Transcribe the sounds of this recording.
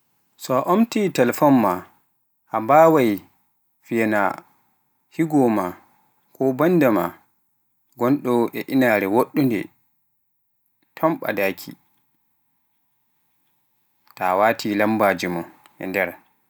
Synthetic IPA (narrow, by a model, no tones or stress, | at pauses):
sɔaʔomtiːtalfɔmːa | ʔambaːwaj | fijana̰ | hiɡɔma | kɔbandama̰ | ɡɔnɗɔɛʔinaɾɛwoɗːundɛ̰ | tʰɔmɓa̰dakʰḭ | ta̰waːtʰilambaːd͡ʒimɔ | ʔɛ̰ndɛɾ